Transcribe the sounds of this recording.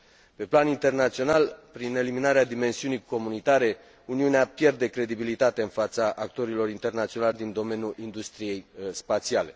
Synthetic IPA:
pe̞planint̪e̞rnat̪sio̞nalpɾine̞liminaɾead̪ime̞nsiunijko̞munit̪aɾe̞ | uniuneapje̞rd̪e̞kɾe̞d̪ibilit̪at̪e̞ɨnfat̪saʔakt̪o̞ɾilo̞rint̪e̞rnat̪sio̞nalʲd̪ind̪o̞me̞njuʔind̪ust̪ɾije̞jspat̪siale̞

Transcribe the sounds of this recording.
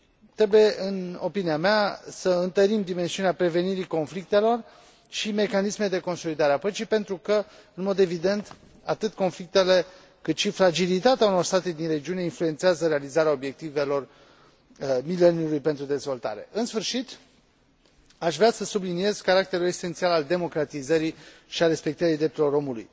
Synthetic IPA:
t̪ɾe̞buje̞ʔɨno̞piniameasəɨnt̪əɾimd̪ime̞nsiuneapɾe̞ve̞niɾiko̞nflik̚t̪e̞lo̞r | ʃime̞kanisme̞d̪e̞ko̞nso̞lid̪aɾeapət͡ʃijpe̞nt̪ɾukəɨnmo̞d̪e̞vid̪e̞nt̪ | at̪ɨt̪ko̞nflik̚t̪e̞le̞ | kɨt̪ʃifɾad͡ʒilit̪at̪eauno̞rst̪at̪e̞d̪inre̞d͡ʒiune̞influe̞nt̪seazəɾe̞alizaɾeao̞bje̞k̚t̪ive̞lo̞r | mile̞njulujpent̪ɾud̪e̞zvo̞lt̪a̰ɾe̞ʔɨnsfɨrʃit̪ | aʃvɾeasəsublinie̞zkaɾakt̪e̞ɾule̞se̞nt̪sialald̪e̞mo̞kɾat̪izəɾiʃiaɾe̞spe̞k̚t̪əɾid̪ɾept̪uelo̞ɾo̞mulṵj

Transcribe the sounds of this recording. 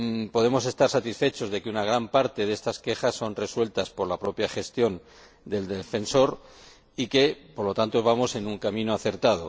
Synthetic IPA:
po̞ð̞e̞mo̞se̞st̪aɾsat̪isfe̞t͡ʃo̞zðe̞kunaɣ̞ɾampaɾt̪e̞ðe̞st̪aske̞xasːo̞nre̞swe̞lt̪aspo̞ɾlapɾo̞pjaxe̞st̪jo̞n | d̪e̞ld̪efe̞nso̞ɾ | ike̞poɾlo̞t̪ant̪ozβamo̞se̞nuŋkamĩnoaθe̞ɾt̪að̞o̞̰

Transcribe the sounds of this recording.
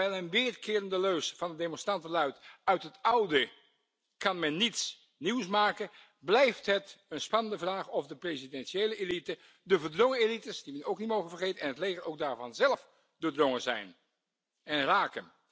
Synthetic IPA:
ɛjlˠənʋɪːrkɪːrəndəløɥsv̥ɑndədejmɔnstrɑntəlœɥtœɥtɦətɑwdə | kɑnmɛnːits | niwsmaːkə | blɛjftɦətənspɑnəndəvraːχɔvdəprezidɛnʃejləʔelitə | dəvəɹdrɔŋəelitəsdimɛnowknitmowχənvərχejtənɛnɦətlejχərowɡ̚daːɹvɑnzɛlˠf | doːdrɔŋəzɛ̰jn | ɛnraːkən

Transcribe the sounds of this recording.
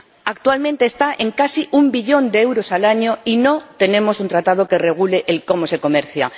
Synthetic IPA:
akt̪ualmẽ̞nt̪e̞ːst̪aʔe̞ŋkasiʔumbiʎo̞nd̪eewɾo̞salaɲo̞ino̞t̪e̞nẽ̞mo̞sunt̪ɾat̪að̞o̞ke̞re̞ɣ̞ule̞ʔːlko̞mo̞se̞ko̞me̞ɾθja̰

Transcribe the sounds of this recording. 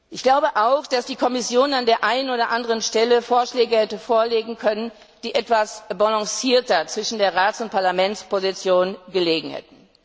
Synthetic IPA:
ʔɪçɡ̥laʊbəʔaʊxd̥asd̥iːkʰɔmɪsjoːnandeːɐʔaɪnənoːdɐʔandəʁənʃtɛləfoːɐʃlɛːɡəhɛtəfoːɐleːɡŋ̩kʰœnən | d̥iːʔɛtv̥asbɔlɔ̃ŋsiːɐtɐt͡sv̥ɪʃn̩deːɐʁaːtsʊnt̚pʰaɐlamɛnspʰozit͡sjoːnɡəleːɡŋ̩hɛ̰tn̩

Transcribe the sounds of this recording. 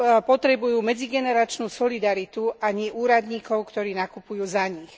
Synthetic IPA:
pɔt̪ɾɛbujuːmɛd͡ziɡɛnɛɾat͡ʃnuːsɔlid̪aɾit̪uaɲiʔuːɾad̪ɲiːkɔʊkt̪ɔɾiːnakupujuːzaɲix

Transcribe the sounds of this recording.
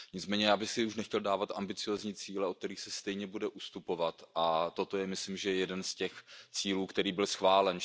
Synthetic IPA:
ɲɪt͡smɛːɲɛjaːbɪxsɪuʃnɛxcɛldaːvat̪ʔambɪt͡sɪjoːzɲiːt͡siːlɛʔot̪ɛɾiːxsɛst̪ɛjɲɛbudɛʔust̪upo̞vat̪ʔat̪o̞t̪o̞jɛmɪslɪmʒɛjɛjɛdɛnscɛxt͡siːluːkt̪ɛɾiːbɪlsxvaːlɛn

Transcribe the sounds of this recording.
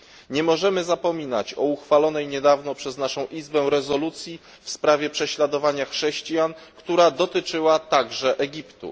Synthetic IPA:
ɲɛmɔʐɛmɘzapɔmʲina̰t͡ɕɔuxfalɔnɛjɲɛd̪avnɔpʂɛznaʂɔ̃w̃ʔizbɛw̃ɾɛzɔlut̪sʲji | fspɾavʲjɛpʂɛɕlad̪ɔvaɲaxʂɛɕt͡ɕijankt̪uɾad̪ɔt̪ɘt͡ʂɘwat̪aɡʐɛʔɛɡʲipt̪ṵ

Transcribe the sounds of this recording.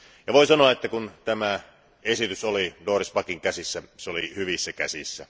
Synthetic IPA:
jɑʋoisɑnoɑet̪ːækunt̪æmæ | esit̪ysolidoːrispɑkiŋkæsisːæseolihyʋisːækæ̰sisːæ̰

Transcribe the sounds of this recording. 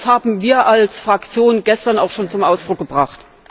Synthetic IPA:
shaːbm̩viːɐʔalsfʁ̥akt͡sjoːnɡɛstɐna̰ʊxʃoːnt͡sʊmʔaʊsd̥ʁʊk̚ɡ̥əbʁaχt

